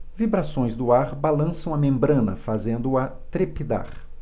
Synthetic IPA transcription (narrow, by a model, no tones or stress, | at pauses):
vibɾasõj̃zd̪ʊaɾbalɐ̃sɐ̃w̃ɐmẽmbɾɐ̃nɐ̰fazẽnd̪ʊɐ | t̪ɾepid̪a̰ɾ